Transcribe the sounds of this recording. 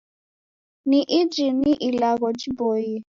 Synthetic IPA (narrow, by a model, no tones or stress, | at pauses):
niʔid͡ʒiniʔilaɣɔd͡ʒiboji